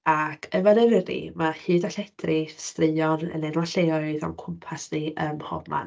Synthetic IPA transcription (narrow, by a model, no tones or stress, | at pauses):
akʰəvanəvrḭmahɨːdaɬɛd̥rɪstrɨɨɔnə̰nɛnwaɬeɔɨðɔ̰mkʰʊmpʰasniʔəmhɔ̰vma̰n